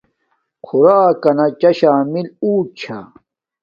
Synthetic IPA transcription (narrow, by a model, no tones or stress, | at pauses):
kʰuɾaːkɐnɐt͡ɕɐɕaːmiluːt͡ɕʰa̰